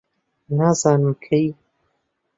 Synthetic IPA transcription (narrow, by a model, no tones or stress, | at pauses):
naːzaːnuːkʰej